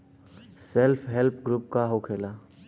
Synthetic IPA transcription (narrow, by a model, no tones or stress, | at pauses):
selpʰɦelp̚ʰɡɾup̚kaɦokʰelaː